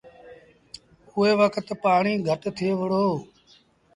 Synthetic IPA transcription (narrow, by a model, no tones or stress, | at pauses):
ʊːeːʋəkʰt̪paːɳiːɡʱəʈt̪ʰeːʋɪɽoː